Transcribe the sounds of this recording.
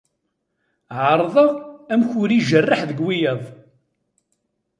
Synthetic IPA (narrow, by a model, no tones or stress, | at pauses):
ʕəɾˤðˤəʁæmçʊɾiʒərːəħðəɡwijəðˤ